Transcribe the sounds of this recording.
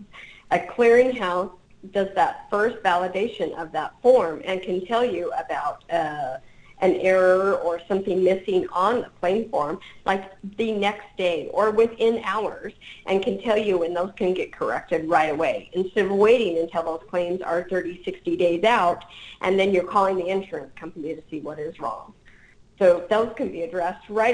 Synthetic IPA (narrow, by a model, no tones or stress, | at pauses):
ʔɨkʰl̥ɪɹɪ̃ŋɦaʊs | d̥ʌzðətfɜ˞stvælˠədeɪʃɨ̃nʔʌ̰vðətfɔɹmɨ̃nkʰɨ̃ntʰɛlˠjɨəbaʊɾ | ʔɨ̃nɛɹə˞ə˞sʌ̃mθɪ̃ŋmɪsɪ̃ŋə̃nəpkʰl̥ẽɪ̃ɱfɔɹmlʔaɪkðɨnɛksd̥eɪə˞wɪθɪ̃naʊə˞z̥ʔɨ̃nkʰɨ̃ntʰɛlˠjɨwɨ̃nðoʊz̥kɨ̃nɡɛt̚kʰə˞ɛ̰k̚tɨd̚ɹaɪɾəweɪʔɨ̃nstɛɾʌvweɪɾɪ̃ŋɨ̃ntʰɛlˠðoʊz̥kʰl̥ẽɪ̃mzə̰˞θɜ˞ɾisɪkstideɪzaʊtʔɨ̃nðɨ̃njə˞kʰɔlˠɪ̃ŋðiɪ̃nʃə˞ɨ̃nskʰʌ̃ɱfəmjɨɾɨsiwʌɾɪzɹɔ̰̃ŋ | soʊðoʊz̥kɨ̃nbiɨdɹɛst̚ɹaɪɾ